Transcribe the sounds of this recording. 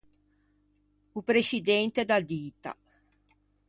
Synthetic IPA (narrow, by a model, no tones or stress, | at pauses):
upɾeʃid̪ɛnt̪ed̪ad̪iːt̪a̰